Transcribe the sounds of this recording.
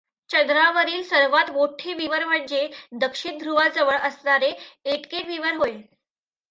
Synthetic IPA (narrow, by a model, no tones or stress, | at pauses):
t͡ɕənd̪ɾaʋəɾiːlsəɾʋat̪moʈʰeʋiʋəɾm̤əɳd͡ʑed̪əkʂind̪ʱɾuʋad͡zəʋəɭʔəsnaɾeeʈkeʈʋiʋəɾɦoje